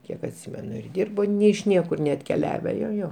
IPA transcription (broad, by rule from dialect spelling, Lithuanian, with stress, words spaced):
ˈkʲiɛk ɐtʲˈsʲiːmʲɛnʊ ɪr ˈdʲiːrboː nʲɛ ɪʃ ˈnʲiɛkʊr nʲɛɐtʲkʲɛˈlʲæːʋʲɛ joː ˈjoː